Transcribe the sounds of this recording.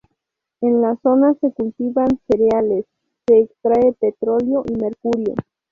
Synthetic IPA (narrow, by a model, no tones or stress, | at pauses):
enlaso̞nase̞kult̪iβanseɾealesː | eːkst̪ɾaepet̪ɾo̞ljo̞ʔimeɾkuɾjo̰